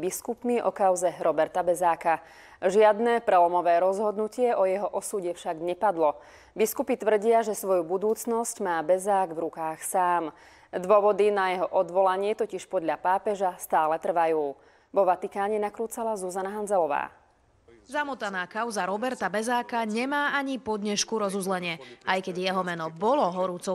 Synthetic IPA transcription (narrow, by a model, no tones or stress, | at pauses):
biskupniʔɔ̰kaʊzɛɾɔbɛɾt̪abɛzaːka | ʒɪad̪nɛpɾɛlɔmɔʋɛːɾɔzɦɔd̪nucɪɛʔɔjɛɦɔʔɔsuɟɛfʃaɡɲɛpad̪lɔ | biskupit̪ʋr̩ɟɪaʒɛsʋɔjubud̪uːt͡snɔscmaːbɛzaːɡvɾukaːxsaːm | d̪ʋɔʋɔd̪inajɛɦɔʔɔd̪ʋɔlaɲɪɛt̪ɔciʃpɔd̪ʎapaːpɛʒast̪aːlɛt̪r̩ʋajuː | ʋɔʋat̪ikaːɲɛnakɾuːt͡salazuzanaɦand͡zɛlɔʋa̰ː | zamut̪anaːkaʊzaɾɔbɛɾt̪abɛzaːkaɲɛmaːaɲipɔd̪ɲɛʃkuɾɔzuzlɛɲɪɛʔajkɛɟjɛɦɔmɛnɔbɔlɔɦɔɾuːt͡sɔ